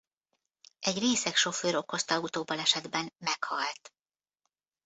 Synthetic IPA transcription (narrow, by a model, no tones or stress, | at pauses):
ʔɛɟreːsɛkʃo̞føːɾo̞ko̞st̪ɒut̪oːbɒlɛʃɛd̪bɛnmɛkhɒlt̪